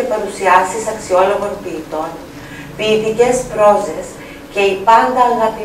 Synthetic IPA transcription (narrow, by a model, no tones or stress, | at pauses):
epɐɾusiɐsisɐksio̞lo̞ɣo̞npiːt̪o̞n | piːt̪ice̞spɾo̞se̞s | ce̞ipɐnd̪ɐːɣɐpi